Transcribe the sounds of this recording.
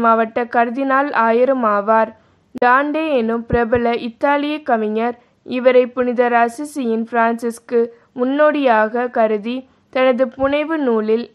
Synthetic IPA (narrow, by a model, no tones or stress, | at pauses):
maːʋɐʈːɐkɐɾɯðɪnaːlaːjɪɾɯmaːʋaːɾ | d̪aːɳɖeːɛnɯmpɪɾɐbɐlɐʔɪt̪ːaːlɪjɐkːɐmɪɲɐɾ | ɪʋɐɾɐɪpːʊnɪðɐɾɐsɪsɪjɪnfɾaːnsɪskɯ | mʊnːoːɽɪjaːɣɐkɐɾɯði | t̪ɐnɐðɯpʊɳɐɪʋɯnuːlɪl